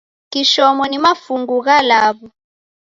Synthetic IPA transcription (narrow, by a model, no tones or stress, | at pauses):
kiʃɔmɔnimafuŋɡuk̬alaːɓɔ